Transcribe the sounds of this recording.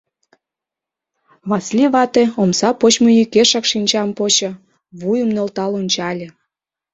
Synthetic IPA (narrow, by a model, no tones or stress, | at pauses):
βɑslʲiβɑt̪eomsɑpot͡ɕmojykeʃɑkʃinʲt͡ɕɑmpot͡ɕɤ̆ | βujumnølt̪ɑlunʲt͡ɕɑlʲe